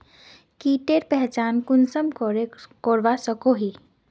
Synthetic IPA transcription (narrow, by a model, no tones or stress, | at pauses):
kiʈeɾpɛɦt͡ʃankunsəmkɔɾekɔɾʋasəkoɦi